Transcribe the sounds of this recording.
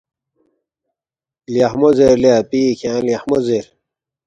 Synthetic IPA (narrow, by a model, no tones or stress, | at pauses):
ljahmozeɾliapiːkʰãljahmozeɾ